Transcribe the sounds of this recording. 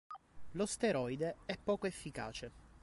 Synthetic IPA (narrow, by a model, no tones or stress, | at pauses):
lost̪eɾɔjd̪eɛpːɔːkoefːika̰ːt͡ʃe